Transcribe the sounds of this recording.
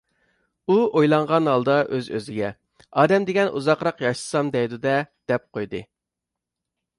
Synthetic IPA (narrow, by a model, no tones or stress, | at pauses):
uojlˠɑɴʁɑnɦɑlˠd̪ɑʔøzøzɪɡʲɛ | ɑːd̪ɛmd̪ɪɡʲɛnṵzɑqɾɑqjɑʃlɨ̥sɑmd̪ɛjd̪ud̪ɛd̪̥ɛp̚qʰojd̪ɨ